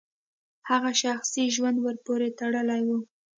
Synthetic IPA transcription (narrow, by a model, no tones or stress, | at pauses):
haɣaʃaxsiʒwand̪wəɾpoɾet̪aɽəlajwu